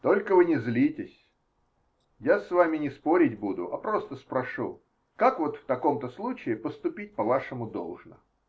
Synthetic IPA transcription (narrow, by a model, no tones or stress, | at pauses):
t̪o̞lʲkəvɨnʲɪzlʲitʲɪsʲ | jasvamʲɪnʲɪspo̞ɾʲɪtʲbud̪ʊ̰ʔɐpɾo̞st̪əspɾɐʂṵ | kakvo̞t̪ft̪ɐko̞mt̪əslˠut͡ɕɪɪpəst̪ʊpʲit̚ʲpɐvaʂəmʊd̪o̞̰lˠʐnə̰